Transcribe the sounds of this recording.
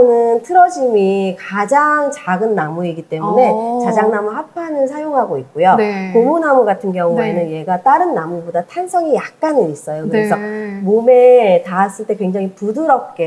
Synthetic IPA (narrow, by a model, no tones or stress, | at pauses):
onɯntʰɯɾʌd͡ʑimikad͡ʑaŋt͡ɕaɡɯnːamuiɡit͈e̞mune̞t͡ɕad͡ʑaŋnamuhapʰanɯɭs̬ʰajoŋɦaɡoikk͈ojokomunamuɡatʰɯnkjʌŋuenɯnje̞ɡat͈aɾɯnːamubodatʰansʰʌŋijak̚k͈anɯnis͈ʌjokɯɾe̞sʰʌmome̞taːs͈ɯɭt͈e̞kwe̞ŋd͡ʑaŋipudɯɾʌp̚k͈e̞